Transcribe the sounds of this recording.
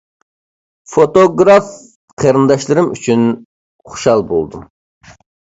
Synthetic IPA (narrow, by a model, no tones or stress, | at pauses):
fot̪oɡɾɑf | qʰeɾɨnd̪ɑʃlˠɨɾɨmy̰t͡ʃʰyn | χu̥ʃɑlˠbo̰lˠd̪um